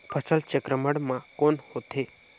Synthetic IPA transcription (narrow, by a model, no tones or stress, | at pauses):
pʰəsəlt͡ʃəkɾəməɽmãkonhot̪ʰe